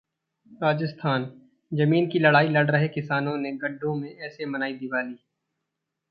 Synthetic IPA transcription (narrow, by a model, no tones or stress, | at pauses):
ɾaːd͡ʒəst̪ʰaːn | d͡ʒɐmiːnkilɐɽaːilɐɽɾɐɦekɪsaːnõneɡɐɖʱːõmẽɛːsemɐnaːid̪ɪbaːliː